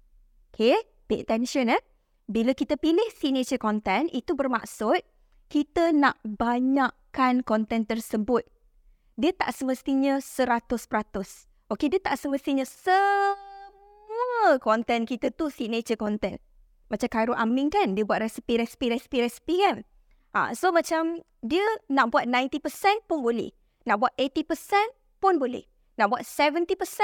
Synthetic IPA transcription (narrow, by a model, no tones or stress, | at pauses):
okʰe | peʔat̪ɛnʃɔnəh | bilakit̪əpilɪhsinet͡ʃəkɔnt̪ɛnit̪ubərmaksʊt̪̚ | kit̪ənaʔbaɲaʔkankɔnt̪ɛnt̪ərsəbʊt̪̚ | diət̪a̰ʔsəməst̪iɲə̃səɾat̪ʊspəɾat̪ʊs | ʔokediət̪aʔsəməst̪iɲə̃sə | muəkɔnt̪ɛnkit̪ət̪usined͡ʒəkɔnt̪ɛ̰n | mat͡ʃamkaɾuʔamɪŋkandiəbuat̪̚rɛsi̥piɾɛsi̥piɾɛsi̥piɾɛsi̥pikan | ʔa̰somat͡ʃam | diənaʔbuat̪̚nãjnt̪ipəsɛnpʊnbolɛ̰h | naʔbuat̪et̪ipəsɛn | pʊnbolɛ̰h | naʔbuat̪̚sɛvənt̪ipəsɛ̃n